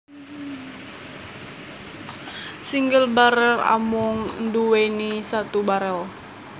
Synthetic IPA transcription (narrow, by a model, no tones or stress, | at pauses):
siŋɡəlbaɾəla̰mʊŋnduwenisat̪ubaɾəl